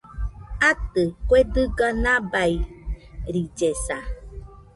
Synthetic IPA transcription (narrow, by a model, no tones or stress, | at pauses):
at̪ɨkwedɨɡanãbai | ɾid͡ʒesa